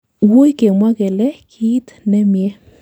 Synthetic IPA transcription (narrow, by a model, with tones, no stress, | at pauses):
wu˦jke˨mwa˦ɡɛ˨lɛ˦kʰi˦t̪nɛ˦mjɛ˦